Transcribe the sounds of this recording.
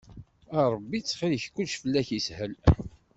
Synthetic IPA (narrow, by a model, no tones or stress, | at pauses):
ɑɾˤəbːit͡sːχiliçkʷːut͡ʃfəlːæçishəl